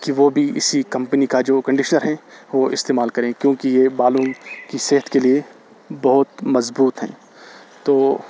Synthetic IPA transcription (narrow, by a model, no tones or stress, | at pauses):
kiʋobʱiɪ̰sikɐ̃mpnikad͡ʒoːkɐ̃ɳɖɪʃnəɾɦɛ̃ʋoːɪst̪eːmaːlkɐɾẽkjõːkijebaːluːmkiseːɦət̪kelie | bɐɦʊt̪mɐzbuːt̪ɦɛ̰̃ː | t̪oː